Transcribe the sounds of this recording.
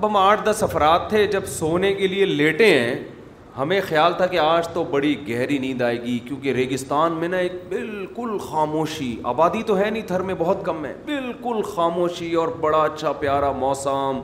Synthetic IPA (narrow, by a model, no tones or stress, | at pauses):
ɐbɦɐmaːʈʰd̪ɐsɐfɾaːt̪ʰːed͡ʒɐbsoːnekelieleːʈẽɦɛ̃ː | hɐmẽxɐjaːlt̪ʰakeaːd͡ʒt̪obɐɽiɡɛɦɾinɐɦĩd̪aːeːɡikjõːkeɾeːɡɪst̪aːnmẽnaeːk̚bɪlkʊlxaːmoːʃia̰ːbaːd̪it̪oɦɛnĩt̪ʰɐɾmẽbɔɦʊt̪kɐmɦɛ̰ːbɪlkʊlxaːmoːʃiɔːɾbɐɽaɐtːʃʰapjaːɾamɔːsam